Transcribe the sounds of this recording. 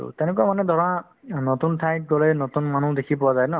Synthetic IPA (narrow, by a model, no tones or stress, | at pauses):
ṵtɛnekamanɛd̪ʱɔɹa | notuntʰaj̚ɡɔlɛnotunmanũdekʰipɔwazajnɔ